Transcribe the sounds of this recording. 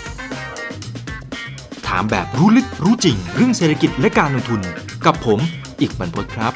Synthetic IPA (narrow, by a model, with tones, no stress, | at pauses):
t̪ʰa̰ː˩˦mbɛː˨˩p̚ɾuː˦˥lɯ˦˥k̚ɾuː˦˥t͡ɕi˧ŋɾɯ˥˩əŋseː˨˩t̪ʰa˧ki˨˩t̪̚lɛ˦˥kaː˧nlo˧ŋt̪ʰu˧n | ka˨˩pʰːo˩˦m | ʔiː˨˩k̚wa˧npʰo˦˥t̪̚kʰɾa˦˥p̚